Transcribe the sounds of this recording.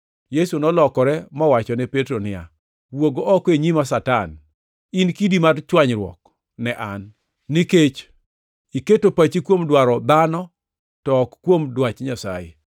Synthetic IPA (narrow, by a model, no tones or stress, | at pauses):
jesunɔlɔkɔɾɛmɔwat͡ʃɔnɛpetɾonɪa̰ | woɡoʔɔkeɲimasatan | inkidimart͡ʃwaɲɾwɔ̰k | nɛʔanː | iket͡ʃ | iketopat͡ʃikwomdwaɾɔd̪anɔ | tɔkkːwomdwat͡ʃɲasa̰ɪ̰